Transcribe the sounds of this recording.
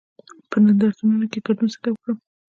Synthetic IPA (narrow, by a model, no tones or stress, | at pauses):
pənand̪aɾt̪anənokeɡaɖunsɪ̥kawkɽə